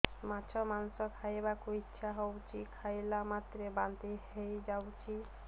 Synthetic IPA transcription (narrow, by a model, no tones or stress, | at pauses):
mat͡ʃʰɔmansɔkʰajebakuitːʃʰaɦɔwt͡ʃʰikʰajlamat̪ɾebant̪eejd͡ʒawt͡ʃʰi